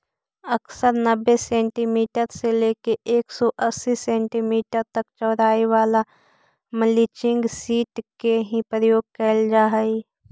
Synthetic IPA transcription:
ɐksəɾnɐbːesẽːɳʈimiːʈəɾseleːkeʔeːksɔʔɐsːisẽːɳʈimiːʈəɾt̪ɐkt͡ʃəːɾaːiʋaːla | məlit͡ʃɪ̃ŋɡsiːʈkeɦĩpɾəjoːɡ̚kɛld͡ʒaːɦɛi

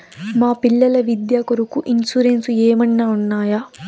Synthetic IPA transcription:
maːpiɭːɐlɐʋid̪jaːkuɾukuʔinsuɾensueːmɐnːaːunːaːja

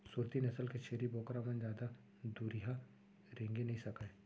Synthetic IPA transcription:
suːɾt̪inɐsəlket͡ʃʰeːɾiboːkɾamə̃nd͡ʒjaːd̪a | d̪uːɾiɦa | ɾẽːŋɡenɐɦĩsɐkae

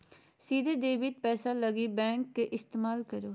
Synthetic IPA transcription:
siːd̪eːd̪eːbɪt̪̚pɛːsaːləɡiːbɛ̃ːŋkːeʔɪst̪eːmaːlkəɾoː

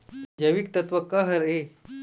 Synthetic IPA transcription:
d͡ʒɐʋik̚t̪ɐt̪ʋɐkɐɦɐɾe

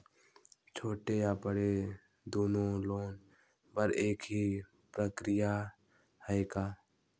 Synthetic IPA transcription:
t͡ʃʰoːʈejabəɽe | d̪oːnõloːn | bəɾeːkɦi | pɾəkɾɪja | həekaː

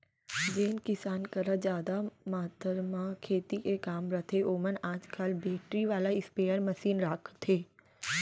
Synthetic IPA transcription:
d͡ʒeːnkɪsaːnkəɾad͡ʒjaːd̪amaːt̪əɾmãkʰeːt̪ikekaːmɾət̪ʰeʔoːmənaːd͡ʒkalbeːʈɾiʋaːlaɪspeːəɾmɐsiːnɾaːkʰt̪ʰeː

